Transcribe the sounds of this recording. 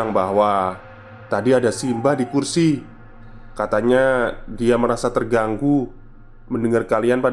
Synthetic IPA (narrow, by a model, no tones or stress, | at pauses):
aŋbaɦwa | t̪adiadasimbahdikursi | kat̪aɲadiaməɾasat̪ərɡaŋɡu | məndəŋarkalianpa